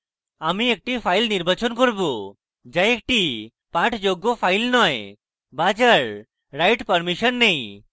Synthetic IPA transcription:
amiek̚ʈifʰajlniɾbʱat͡ʃɔnkɔɾbu | d͡ʒajek̚ʈi | paʈʰd͡ʒoɡːopʰajlnɔj | bad͡ʒəɾ | ɾajʈpəɾmiʃənːej̃

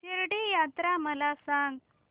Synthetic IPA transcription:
t̪iɾɽijat̪ɾaməlasãŋɡ

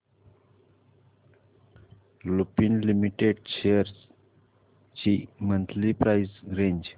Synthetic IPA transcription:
lupinlimiʈeɖʃejəɾz | t͡ɕimə̃nt̪ʰlipɾaizɾẽɲd͡ʑ

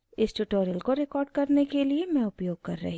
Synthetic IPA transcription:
ɪsʈuʈoːɾiəlkoɾekɔːɾɖ̚kɐɾnekeliemɛ̃ʊpjoːɡ̚kɐɾːɐ̰ɦĩ

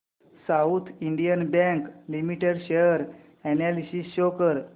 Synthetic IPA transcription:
saut̪ʰiɳɖijənbɛ̃ŋklimiʈeɽɕejəɾ | ɛnalisisɕokəɾ

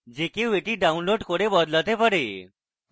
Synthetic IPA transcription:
d͡ʑekeʋeʈiɖaunloɖkoɽebɔd̪lət̪epəɽe

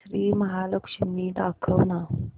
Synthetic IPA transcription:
ɾiːmɐɦaːlɐkʃɪnːiːdaːkʰːawna

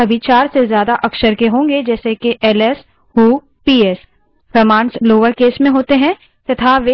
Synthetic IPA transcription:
ɐbʱit͡ʃaːɾsezjaːd̪aʔɐksəɾkeɦõːŋɡed͡ʒɛːsekeʔɛːlɛs | huː | piːɛːs | fʰəmãːnsloːʋəɾkeːsmẽɦoːt̪eɦɛ̃ | t̪ɐt̪ʰaʋe

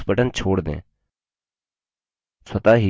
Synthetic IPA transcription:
pəʈənt͡ʃʰoːɽd̪ḛ̃ː | sət̪aːɦi

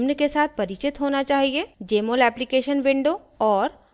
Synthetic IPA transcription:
mnkesaːt̪̚ʰpɐɾɪt͡ʃɪt̪ɦoːnat͡ʃaːɦied͡ʒeːmoːlɛːplikeːʃənʋɪ̃ɳɖo | ɔːɾ

